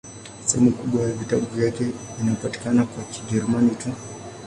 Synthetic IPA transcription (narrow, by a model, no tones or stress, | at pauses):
sɛhɛmukuɓwajavitaɓuvjakɛvinapati̥kanakwakid͡ʒɛɾumanitu